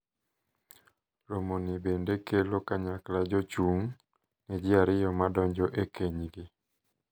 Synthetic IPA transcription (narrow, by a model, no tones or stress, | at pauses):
ɾomonɪbendekʰelokaɲaklad͡ʒot͡ʃuŋ | nɛd͡ʒɪaɾɪjɔmadɔɲd͡ʒɔʔekeɲɡɪ